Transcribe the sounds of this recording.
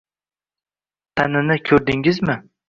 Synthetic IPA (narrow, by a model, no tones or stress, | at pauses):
t̪ʰanɪnɪkʲʰɵɾd̪ɪŋɪzmɪ